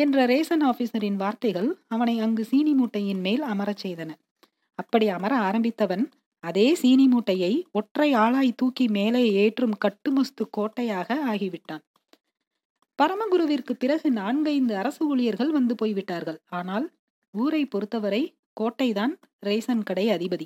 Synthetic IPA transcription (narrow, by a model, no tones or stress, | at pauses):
ɛndrɐɾeːsɐnaːfisɐɾɪnʋaːɾt̪ɐɪɣɐɭɐʋɐnɐɪɐŋɡɯsiːnimuːʈːɐjɪnmeːlɐmɐɾɐt͡ʃːɛjðɐnɐ | ɐpːɐɽiɐmɐɾɐaːɾɐmbɪt̪ːɐʋɐn | ɐðeːsiːnimuːʈːɐjɐɪɔʈrɐɪaːɭaːjt̪uːkːimeːlɐeːʈrɯmkɐʈːɯmɔst̪ɯkːoːʈːɐjaːɣɐaːɣiʋɪʈːaːn | pɐɾɐmɐɣʊɾɯʋɪrkɯpːɪɾɐɣɯnaːɳɡɐɪnd̪ɯɐɾɐsɯuːɭɪjɐɾɣɐɭʋɐnd̪ɯpoːjʋɪʈːaːɾɣɐɭaːnaːl | uːɾɐɪpɔɾɯt̪ːɐʋɐɾɐɪ | koːʈːɐɪðaːn | ɾeːsɐnkɐɽɐɪɐðɪbɐði